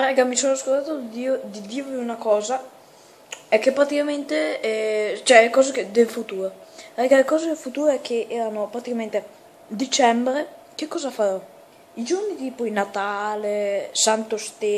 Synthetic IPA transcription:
ɾɛɡamisoːnaskolt̪aːt̪od̪iod̪id̪iːvoiunakɔːza | ɛkːepɾat̪ikament̪eɛt͡ʃɛkɔːzeked̪elfut̪uːɾoɾɛɡalekɔːzed̪elfut̪uːɾɛkʰːeʔɛːɾanopɾat̪ikament̪e | d̪it͡ʃɛmbɾe | k̟ekːɔːzafaɾɔ | id͡ʒoɾnit̪iːpoinat̪aːlesant̪ost̪e

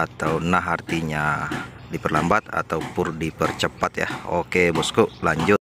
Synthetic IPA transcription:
at̪awnaɦart̪iɲa | dipərlambat̪a̰t̪awpʊndipərt͡ʃəpat̪ja̰hokebɔskɔʔlaɲd͡ʒʊt̪̚

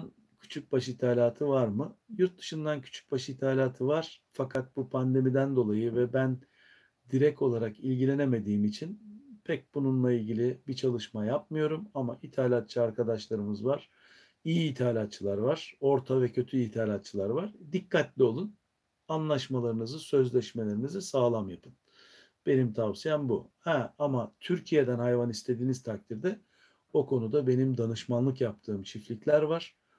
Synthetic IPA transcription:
n | cʰy̥t͡ʃʰyc̚baʃit̪ʰaːlʲaːt̪ʰɯvaɾmɯjuɾt̪̚d̪ɯ̥ʃɯnd̪ancʰy̥t͡ʃʰy̥c̚baʃit̪ʰaːlʲaːt̪ʰɯvaɾ̥fakʰat̪̚bupʰand̪e̞mid̪ænd̪o̞lˠajɯvɛbæn | d̪iɾɛko̞lˠaɾakilʲɟilʲe̞ne̞me̞d̪iːmit͡ʃʰinpʰɛc̚bununlˠailʲɟilʲɪbit͡ʃʰalˠɯʃmajap̚mɯjo̞ɾumamaʔit̪ʰaːlʲat̪̚t͡ʃʰɯaɾkʰad̪aʃlˠaɾɯmɯzvaɾ̥ | ijiːt̪ʰaːlʲat̪̚t͡ʃʰːɯlˠaɾvaɾ̥o̞ɾt̪ʰavɛcʰø̞t̪ʰyit̪ʰaːlʲat̪̚t͡ʃʰɯlˠaɾvaɾd̪ikʰːat̪lʲio̞lˠun | anlˠaʃmalˠaɾɯnɯzɯsø̞zlʲɛʃme̞lʲe̞ɾinizisaːlˠamjapʰɯn | b̥e̞nimt̪ʰavsijænbuhɛamat̪ʰyɾcʰije̞d̪ænhajvanist̪ʰe̞d̪iːnizt̪ʰak̚t̪ʰiɾd̪ɛ | o̞kʰo̞nud̪abe̞nimd̪anɯʃmanlˠɯkjap̚t̪ʰɯːmt͡ʃʰiflʲiclʲæɾvaɾ̥

